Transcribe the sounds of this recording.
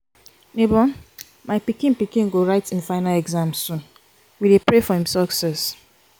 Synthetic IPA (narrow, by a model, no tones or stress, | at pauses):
nebɔ | maɪpikĩnpikĩnɡoɹaɪtĩnfaɪnalɛɡzãmsũ | widepɹefɔhĩmsɔksɛs